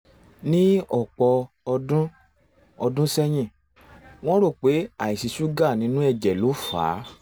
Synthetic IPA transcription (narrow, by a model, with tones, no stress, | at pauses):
nĩ˦ɔ˦˨k͡pɔ˧ | dũ˦ | ɔ˧dũ˦sɛ˦j̃ĩ˦˨ | w̃ɔ̃˦ɾo˦˨k͡pe˨˦a˨i˨si˧su˦ɡa˦˨nĩ˨˦nũ˦ɛ˧˨d͡ʒɛ˨lo˨˦fa̰ː˨˦